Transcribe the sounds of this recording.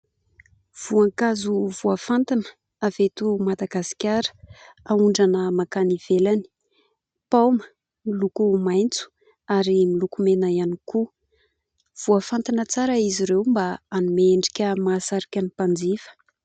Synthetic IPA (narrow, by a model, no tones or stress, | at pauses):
v̥uaŋkazuv̥uafant̪anə̥ | avet̪umad̪aɡasi̥kʲaɾə̥ | auɳɖ͡ʐanəmakaniv̥elani̥ | pawmə̥ | milukumajnt͡su̥ | aɾimilukumenajaniku | v̥uafant̪anət͡saɾəiziɾewmbaanumeɳɖ͡ʐi̥kʲəmasaɾikʲanipand͡zifə̥